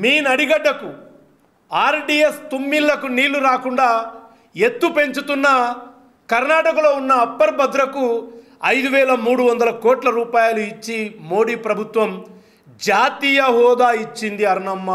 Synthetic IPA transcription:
miːnɐɽiɡɐɖːɐku | aːɾɖiːest̪omːilːɐkuniːluɾaːkuɳɖaː | e̞t̪ːupe̞ɲt͡ʃut̪unːɐ | kɐɾnaːʈɐkɐlo̞ːunːɐːpːɐɾbɐd̪ɾɐkuɐjd̪uʋɛːlɐmuːɽuʋɐnd̪ɐlɐkɔːʈlɐɾuːpaːjɐluit͡ʃːimo̞ːɽiːpɾɐbʱut̪ʋɐm | d͡ʒaːt̪iːjɐɦɔːd̪aːit͡ʃːind̪iɐɾɳɐmːɐ

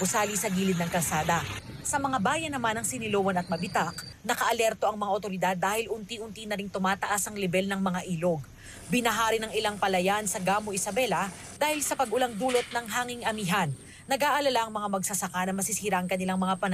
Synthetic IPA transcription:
ʊsaːlisɐɡiːlɪd̪nɐŋkɐlsaːd̪ɐ | sɐmɐŋabaːjɐnːɐmanɐŋsɪnɪlowɐnɐt̪̚mɐbɪt̪aknɐkɐʔɐlɛɾt̪o̞ʔɐŋmɐŋaʔot̪o̞ɾɪd̪ad̪ːaːhɪlʔʊnt̪iʔʊnt̪inɐɾiŋt̪ʊmaːt̪ɐʔasɐŋlɛbɛlnɐŋmɐŋaʔiːloɡ̚ | bɪnɐɦaːɾɪnɐŋɪlaŋpɐlɐjansɐɡaːmoʔɪsɐbɛlɐ | d̪aːhɪlsɐpɐɡʔʊlaŋd̪uːlot̪̚nɐŋɦaːŋɪŋʔɐmiːɦɐnː | ɐɡaːʔɐlɐlaʔɐŋmɐŋamɐɡsɐsɐkanɐmɐsɪsiːɾɐʔɐŋkɐnɪlaŋmɐŋapɐn

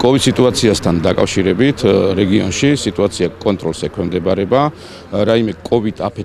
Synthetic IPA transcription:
kʼɔvid̪̥sit̪ʼuat̪sʰiast̪ʰand̪akʼa̰fʃiɾɛbit̪ʰɾɛɡiɔnʃisit̪ʼuat̪sʰiakʼɔnt̪ʼɾɔlsɛkʰwɛmd̪ɛbaɾɛba | ɾaimɛkʼɔvid̪̥ʰapʰɛ

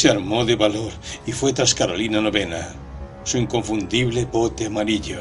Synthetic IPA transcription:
seaɾmoðeβaloɾifwet̪ɾaskaɾolinanoβena̰ | suiŋkoɱfũnd̪iβlepot̪eamaɾiʎo

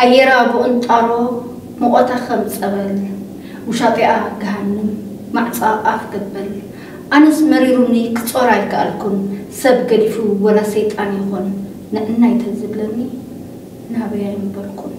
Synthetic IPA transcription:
ʔajːɛɾaboʔɨnt̪ʼaɾo | mɨkʼot̪ʰakʰɐmɨt͡sʼɐβɐl | wʊʃat̪ʼiʔaɡɐɦanːɨmː | aʕt͡sʼaafɡ̥ɐbːɐl | ʔanɐzmɐɾiɾunikʰɨt͡sʼoɾajkʰa̰ʔa̰lkʰunsɐβɡɐd̪ifuwɐlasejt̪ʼanjɪxonː | ɨʔɨnːajt̪ʰɐzɨβlɐmi | naβɐjajnɨbɐlkʰun

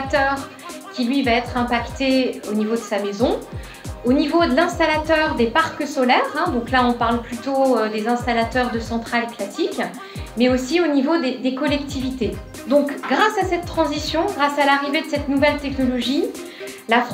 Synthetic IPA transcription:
t̪œʁ | kʲilɥivaɛt̪χɛ̃pakt̪eonivod̪əsamezɔ̃ | onivod̪əlɛ̃st̪alat̪œʁd̪epaʁkəsɔlɛʁɛ̃d̪ɔ̃klaɔ̃paʁlplyt̪oød̪ezɛ̃st̪alat̪œʁd̪əsɑ̃t̪χaleklasik | mɛosionivod̪ed̪ekɔlɛkt̪ʰivit̪e | d̪ɔ̃kɡʁasasɛt̪ːχɑ̃zisjɔ̃ɡʁasalaʁived̪əsɛt̪nuvɛlt̪ɛknɔlɔʒi | laf

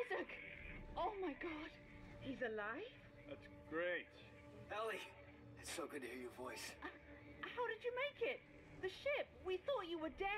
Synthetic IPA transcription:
zɨkoʊmaɪɡɑd̥ | hizɨlaɪv̥ | æts | ɡ̥ɹeɪt̚ | b̥ɛlˠi | ðɨtsoʊɡʊd̚tɨhiɹjə˞vɔɪs | haʊɾɨd͡ʒɨmeɪkɪt̪̚ | ðɨʃɪp̚wiθɔt͡ʃəwə˞dɛ

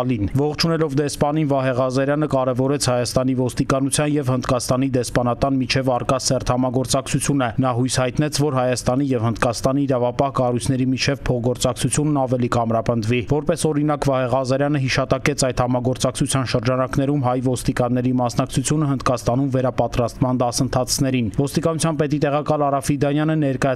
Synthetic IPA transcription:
linvɔχt͡ʃʰunɛlɔvd̪ɛspɑninvɑɦɛʁɑzɑɾjɑnəkɑɾɛvɔɾɛt͡sʰhɑjɑst̪ɑnivɔst̪ikɑnut͡sʰjɑnjɛvhənd̪kɑst̪ɑnid̪ɛspɑnɑt̪ɑnmit͡ʃʰɛvɑrkɑsɛrt̪ʰhɑmɑɡɔɾt͡sɑk̚t͡sʰut͡sʰjunɛnɑɦujshɑjt̪n̪ɛt͡sʰvɔɾɦɑjɑst̪ɑn̪ijɛvhənd̪kɑst̪ɑniːɾɑvɑpɑhkɑrujt͡sʰn̪ɛɾimit͡ʃʰɛvpʰɔʁɡɔɾt͡sɑkt͡sʰut͡sʰjunːɑvɛlikɑmɾɑpənd̪vivɔɾpɛsɔɾin̪ɑkvɑhɛʁɑzɑɾjɑnəɦiʃɑt̪ɑkɛt͡sʰɑjd̪hɑmɑɡɔɾt͡sɑkt͡sʰut͡sʰjɑnʃəɾd͡ʒɑnɑkn̪ɛɾumɦɑjvɔst̪ikɑnːɛɾimɑsnɑk̚t͡sʰut͡sʰjunəɦənd̪kɑst̪ɑnumvɛɾɑpɑt̪ɾɑst̪mɑnd̪ɑsənt̪ʰɑt͡sʰnɛɾinvɔst̪ikɑnut͡sʰjɑnpɛt̪it̪ɛʁɑkɑlɑɾɑfid̪ɑnjɑnənɛɾkɑjɑ

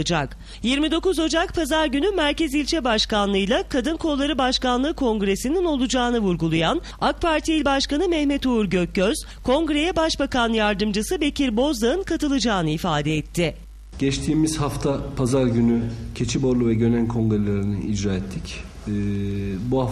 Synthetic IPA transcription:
ɯd͡ʒak | jiɾmid̪o̞kuzo̞d͡ʒak̚pʰazaɾɟynymæɾcezilʲt͡ʃʰɛbaʃkanlˠɯjlˠakʰad̪ɯnkʰo̞lˠːaɾɯbaʃkanlˠɯːkʰo̞ŋɡɾe̞sinino̞lˠud͡ʒaːnɯvuɾɡulˠujan | ak̚pʰaɾt̪ʰiilʲbaʃkanɯmɛhmet̪ʰuuɾɟøcːøz̥ | kʰo̞ŋɡɾe̞jɛbaʃbakanjaɾd̪ɯmd͡ʒɯsɯbe̞cʰiɾbo̞zd̪aɯnkʰat̪ɯlˠɯd͡ʒaːnɯifaːd̪ɛɛt̪ʰːɪ | ɟ̥ɛt͡ʃt̪ʰiːmiz̥haft̪ʰapʰazaɾɟynycʰe̞t͡ʃʰibo̞ɾlˠuvɛɟø̞nænkʰo̞ŋɡɾelʲeɾiniid͡ʒɾaːɛt̪ʰːicː | buha

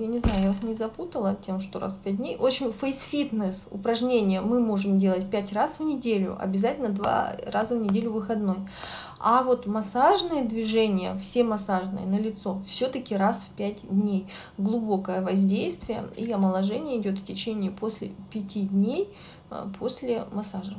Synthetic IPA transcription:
janʲɪznajʊjavasnʲɪzɐput̪əlˠətʲe̞mʂt̪oɾʔa̰sfpʲæt̚ʲdʲnʲejʔo̞t͡ɕːɪnʲfəjsfʲit̪nəsʊ̰pɾɐʐnʲenʲɪjəmɨmo̞ʐɨmdʲe̞lˠətʲpʲætʲrasvnʲɪdʲelʲʊ̰ʔɐ̰bʲɪzatʲɪlʲnəd̪va̰razəvnʲɪdʲelʲʊvɨxɐd̪no̞j | avo̞t̪mɐsaʐnɨjəd̪vʲɪʐɛnʲɪjə̰fsʲemɐsaʐnɨ̰jə̰nəlʲɪt̪so̞fsʲot̪əkʲɪɾasfpʲætʲd̪ʲnʲej | ɡlˠʊbo̞kəjəvɐzʲdʲejst̪vʲɪjə̰iɐməlˠɐʐɛnʲɪjəɪdʲo̞t̪ftʲɪt͡ɕenʲɪːpo̞sʲlʲɪ̰pʲɪtʲidʲnʲej | pʰo̞sʲlʲɪmɐsaʐə

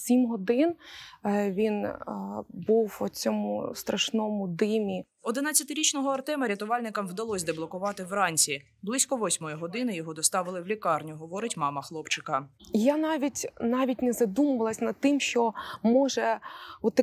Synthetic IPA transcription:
sʲimɦɔd̪ɪn | ʋʲin | buwɔt͡sʲɔmʊ̰st̪ɾɐʃnɔmʊd̪ɪmʲi | ɔd̪ɪnɑt͡sʲːɐt̪ɪɾʲit͡ʃnɔɦɔɐrt̪ɛmɐɾʲɐt̪ʊʋɑlʲnɪkɐmwd̪ɐlˠɔsʲd̪eblˠɔkʊʋɑt̪ɪwrɑnʲt͡sʲi | blˠɪsʲkɔʋɔsʲmɔjiɦɔd̪ɪnɪjɔɦɔd̪ɔst̪ɑʋɪlˠɪwlʲikɑrnʲʊɦɔʋɔɾɪtʲmɑmɐxlˠɔpt͡ʃɪkɐjanɑʋʲitʲnɑʋʲitʲnɛzɐd̪umɐʋɐlˠɐsʲnɐd̪̚t̪ɪmʃt͡ʃɔmɔʒɛut̪ːɐ

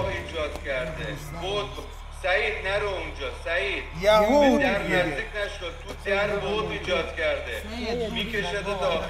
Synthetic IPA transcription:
biːd͡ʒɒːd̪̥cʲʰæɾd̪e | bod̪ | sæiːd̪næɾound͡ʒɒːsæiːd̥̪jed̪æɾmæzd̪ikʰnæʃod̪̚t̪ːʰud̪æɾboziːd͡ʒɒːd̪̥cʲʰæɾd̪e | miːkʲʰeʃed̪d̪ɒː

